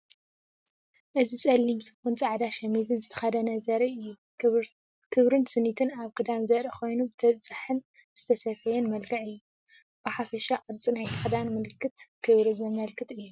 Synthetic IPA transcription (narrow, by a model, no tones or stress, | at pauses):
ʔɨzit͡sʼɐlːimsɨ̥kunt͡sʼaʕd̪aʃɐmizɨnzɨt̪ʰɐ̥xɐd̪ɐnɐzɐɾɐɨjːu | kʰɨβɾɨnsɨnːit̪ʰɨnaβkʰɨd̪anzɐɾɐkʰo̞jnubɨt̪ʰɐzʼaħɨn | z̥ɨt̪ʰɐsɐfɐjɛnmɐlɡɐʕɨjːu | bɨħafɐʃaʔʼɨɾt͡sʼinajt̪ʰɐxɐd̪anmɨlkːɨt̪kʰɨβɾɨzɐmɐlkʰɨt̪ɨjːu